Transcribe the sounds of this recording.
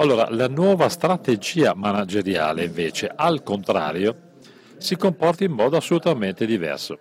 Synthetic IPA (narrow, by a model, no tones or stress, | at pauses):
alːoːɾa̰lanwɔːvast̪ɾat̪ed͡ʒiːamanad͡ʒeɾja̰ːleiɱveːt͡ʃeʔalkont̪ɾa̰ːɾjo | sikompɔrt̪aimːɔːd̪oasːolut̪ament̪ed̪ivɛ̰rso̰